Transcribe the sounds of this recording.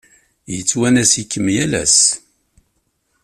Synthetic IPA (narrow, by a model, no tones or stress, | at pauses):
jət͡sːwænæsikːəmjælæ̰s